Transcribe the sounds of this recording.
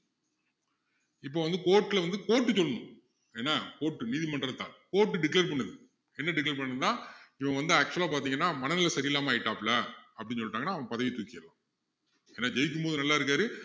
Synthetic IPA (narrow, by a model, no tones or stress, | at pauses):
ɪp̬ːoːʋɐnd̪ɯkoːʈːɪlɐʋɐnd̪ɯkoːʈːɯt͡ɕɔlːɐnʊ̃ | eːnːaːkoːʈːɯniːðimɐɳɖɾɐt̪ːã̰ːkoːʈːɯɖɪkleːɾpɐɳːɐðɯ | ɛnːɐɖɪkleːɾpɐɳːɐðt̪ãːɪʋɐ̃ŋɡɐʋɐnd̪ɯaːk̚t͡ʃuɛlaːpaːɾt̪̬iːŋɡɐnːaːmɐnɐnɪlɐsɐɾɪɪlːaːmɐːɪʈːaːpɪlɐɐpːɐɽɪnːsɔlːɪʈaːŋɐnːaːɐʋɐ̃ɐpɐðɐʋit̪uːkːɪɐlã̰ː | eːnːaːd͡ʒɛjɪk̬ːɯmpoːðɯnɐlːaːɪɾɯk̬ːaːɾɯ